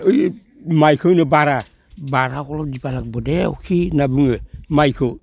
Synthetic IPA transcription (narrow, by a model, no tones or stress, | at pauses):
oj | majkʰonobaɾa | baɾakolodipalak̚bodeo̰kʰinabuŋəmajko